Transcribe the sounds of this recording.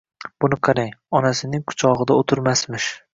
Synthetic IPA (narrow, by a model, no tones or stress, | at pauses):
b̥ʊnɪqʰɑɾajɒnasɪnɪŋkʰʊ̥t͡ʃʰɒʁɨd̪aot̪ʰɪɾmasmɪʃ